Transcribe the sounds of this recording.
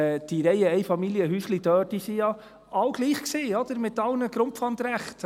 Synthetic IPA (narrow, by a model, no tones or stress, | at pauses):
d̥iɾɛɪəɛjfɑmiljəɦyːslidœːd̥isijɑ | ɑwɡ̥liːχkseːɔd̪̥əɾmɪtɑlnəɡ̥ɾʊmpfɑnd̪ɾæχt